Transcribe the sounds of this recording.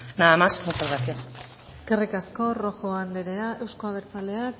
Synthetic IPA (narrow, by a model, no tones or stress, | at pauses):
naðamasmut͡ʃazɣasias | e̞ske̞rikasko̞ro̞xo̞and̪eɾeaʔe̞wsko̞aβ̞e̞ɾt͡sale̞ak